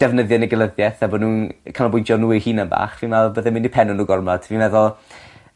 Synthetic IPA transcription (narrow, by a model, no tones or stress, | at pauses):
d̥ɛvnəðjənɛɡəlˠəðjɛθabɔnuːnkʰanɔbʊjntʰjɔnuːɪhiːnənba̰ːχvinvɛlˠbəðɛmɪnipʰɛnʊnuːɡɔrmɔd̥ʰviːnvɛðʊlˠ